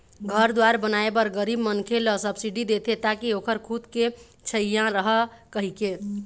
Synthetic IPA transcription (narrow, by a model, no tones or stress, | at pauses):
ɡʱəɾd̪waɾbənaebəɾɡəɾibmənkʰeləsəbsiɖid̪et̪ʰet̪akiokʰəɾkʰut̪ke | t͡ʃʰəijãɾəɦəkəɦike